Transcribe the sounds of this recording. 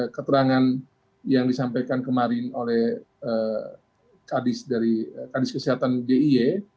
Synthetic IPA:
kət̪əɾaŋan | jaŋdisampajkankəmaɾɪnolɛh | ə | kadɪsdaɾikadɪskəsiɦat̪andeie

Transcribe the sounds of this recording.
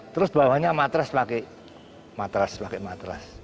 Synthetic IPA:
t̪əɾʊsbawahɲamat̪ɾaspake | mat̪ɾaspakemat̪ɾa̰s

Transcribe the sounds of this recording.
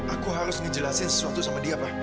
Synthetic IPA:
akũɦaɾisunĩd͡ʒilasẽnssãtosɔ̃ŋɔdiaba

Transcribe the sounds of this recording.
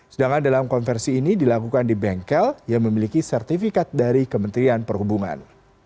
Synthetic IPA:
sədaŋandalamkɔnfɛrsiːnidilakukandibɛŋkɛljaŋməmilikisɛrt̪ifikat̪̚daɾikəmənt̪ɾianpərhubuŋa̰n

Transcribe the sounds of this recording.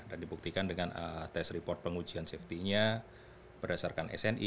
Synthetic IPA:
dandibuk̚t̪ikandəŋanət̪ɛsripɔrt̪̚pəŋud͡ʒianseft̪iɲa | b̥ərdasarkanʔɛ̰sɛnʔi

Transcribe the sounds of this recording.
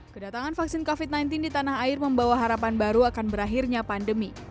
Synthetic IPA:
kədat̪aŋanfaksɪnkofit̪̚najnt̪ɪndit̪anaɦaɪrməmbawaɦaɾapanbaɾuakanbəɾaɦirɲapandəmi

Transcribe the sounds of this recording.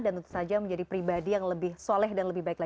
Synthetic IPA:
danunt̪u̥sad͡ʒaməɲd͡ʒadipɾibadijaŋləbɪhsolɛɦdanləbɪhbaik̚la

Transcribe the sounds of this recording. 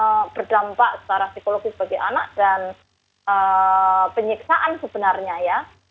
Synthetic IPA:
əb̥ərdampaʔsə̥t͡ʃaɾasikoloɡisəb̥aɡajʔanaʔd̥an | ə | pəɲiksaʔansəb̥ənarɲaja

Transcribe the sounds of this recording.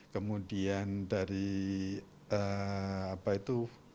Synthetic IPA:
kəmudiandaɾi | əapait̪u

